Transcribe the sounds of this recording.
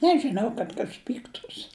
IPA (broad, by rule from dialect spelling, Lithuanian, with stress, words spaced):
ˈnʲæːʒʲɪnɐʊ kɐt ˈkɐs ˈpʲiːktuːs